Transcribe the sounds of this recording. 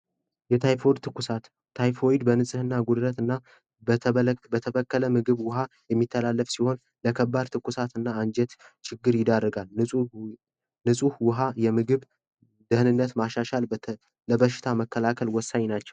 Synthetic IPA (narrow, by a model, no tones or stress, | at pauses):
jɛt̪ʰajfod̪t̪ʰɨkːusat̪ʰː | ajfojd̪bənɨsʼɨhɨnːaɡud̪ɾət̪ɨnːa | bət̪ʰəbəkːələmɨɡɨβwʊɦajɛmːit̪ʰːəlalːəfsiho̞n | ləkʰəbːad̪t̪ʰɨkːusat̪ɨnːaːnd͡ʒɛt̪t͡ʃʰɪɡːɨɾjɪd̪arːəɡal | nɨsʼuhwʊɦajɛmɨɡɨβ | d̪ɨhnɨnːət̪maʃaʃal | ləbəʃːɪ̥t̪ʰaməkːəlakʰəlwɔsːaɲnat͡ʃːɛw